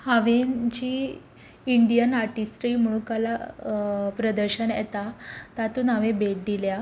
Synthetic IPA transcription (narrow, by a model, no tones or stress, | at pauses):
haʋend͡ʑiː | iɳɖijənaɾʈisʈɾiːm̤əɽ̃ũkala | pɾəd̪əɾɕənjɛ̰t̪at̪at̪uːnaʋebeʈ̚d̪ilja